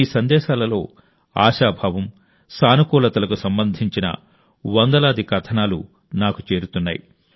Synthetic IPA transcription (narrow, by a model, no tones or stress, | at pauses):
iːsɐnd̪ɛːʃaːlɐlo̞ː | a̰ːʃaːbʱaːʋɐm | saːnukɔːlɐt̪ɐlɐkusɐmbɐnd̪ʱiɲt͡ʃinɐ̰ | ʋɐnd̪ɐlaːd̪ʱikɐt̪ʰɐnaːlṵ | naːkut͡ʃe̞ːɾut̪unːa̰ːji